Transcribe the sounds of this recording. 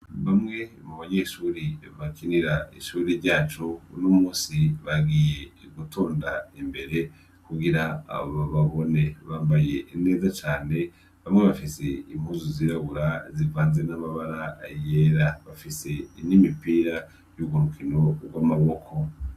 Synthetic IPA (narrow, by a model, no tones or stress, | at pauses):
βamŋe̞muβaɲeʃuːɾiβakiniɾaḭʃuɾiɾɟaːt͡ʃounumuːsiβaɡije̞ɡutʰoːndaimbe̞ɾe̞ | kuɡiɾaa̰βaβaβo̞ne̞βaːmbaje̞ine̞ːzat͡ʃaːne̞ | βamŋe̞βafise̞imhuzuziɾaɡuɾazivaːnze̞namaβaɾaːjeɾaβafise̞inimipiːɾa | juɡuɾukʰino̞ɾɡwamaβo̞kʰo̞